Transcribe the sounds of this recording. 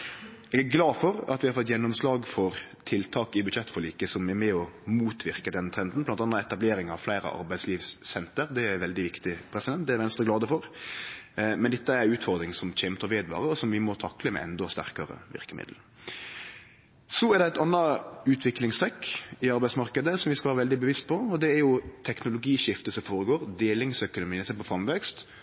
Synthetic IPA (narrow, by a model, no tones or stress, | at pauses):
ɛɡæɾɡlɑːfɔɾɑ̰t̪ʋɪhɑɾfɔt̪ːjɛnːɔmslɑːɡfɔɾt̪ʰɪlt̪ʰɑːkɪbʉd̪ʃɛt̪ːfɔɾɭiːkəsɔmɛɾmɛɔmuːt̪ʰʋɪɾkəd̪ɛnt̪ʰɾɛnd̪n̩blɑnt̪ɑnːɑɛt̪ɑbleːɾɪŋɑʋflæɪɾə̰ʔɑ̰ɾbæɪsliːʋssɛnt̪əɾd̪ɛæɾʋɛld̪ɪʋɪkt̪ɪpʰɾɛsɪd̪ɛnt̪̚d̪ɛæɾʋɛnst̪ɾəɡlɑːd̪əfɔɾ | mɛnd̪ɛt̪ːəæɾʉːt̪fɔɾd̪ɾɪŋsɔmc͡çɛmt̪ɔʋeːd̪ʋɑ̰ːɾəɔsɔmʋɪmɔt̪ʰɑkːləmɛ̰ʔɛ̰nd̪ɔst̪æ̰ʁkəɾə̰ʋɪ̰ɾkəmɪ̰d̪l̩ | sɔæɾd̪ɛæɪt̪ɑnːɑʉːt̪ʰʋɪklɪŋst̪ʰɾɛkːɪɑɾbæɪsmɑʁkəd̪əsɔmʋɪskɑʋæːɾəʋɛld̪ɪbəʋɪst̪̚pʰɔɔd̪ɛæɾjʊt̪ʰɛknʊlʊɡiːʃɪft̪əsɔmfoːɾəɡoːɾd̪eːlɪŋsœkʊnʊmiːnsɛpɔfɾɑmʋɛkst̪